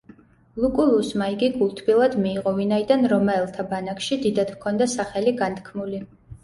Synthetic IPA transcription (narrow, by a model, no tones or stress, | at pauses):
lˠukʼulˠusmaiɡiɡulˠt̪ʰbilˠad̪miːʁɔvinaid̪anɾɔmaɛlˠt̪ʰabanakʃid̪id̪ad̪̥kʰɔnd̪asaχɛliɡant̪ʰkʰmuli